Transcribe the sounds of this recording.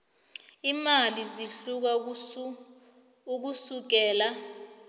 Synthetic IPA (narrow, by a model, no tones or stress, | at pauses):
imaliziɬuk̬a | uk̬usuk̬ɛːla